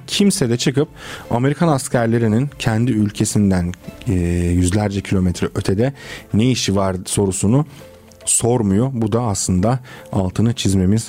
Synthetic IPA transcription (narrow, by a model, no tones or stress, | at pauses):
cʰimsed̪ɛt͡ʃʰɯkɯp̚ame̞ɾikʰanascʰæɾlʲe̞ɾinincʰænd̪iylʲcʰe̞sind̪æn | jyzlʲæɾd͡ʒɛcʰilʲo̞mɛt̪ʰɾɛʔø̞t̪ʰed̪ɛne̞jiʃivaɾso̞ɾusunu | so̞ɾmujobud̪aːslˠɯnd̪aalˠt̪ʰɯnɯt͡ʃʰizme̞miz̥